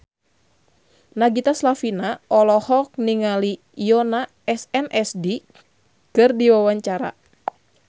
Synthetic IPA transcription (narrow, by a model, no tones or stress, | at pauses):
naɡit̪aslafinaʔɔlɔhɔk̚niŋali | jɔna | ɛsɛnʔɛsdi | kɨrdiwawaɲt͡ʃaɾa̰